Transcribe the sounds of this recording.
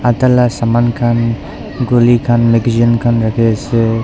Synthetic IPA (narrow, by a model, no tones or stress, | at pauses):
at̪alasamankʰan | ɡolikʰanmeɡzənkʰanɾakʰese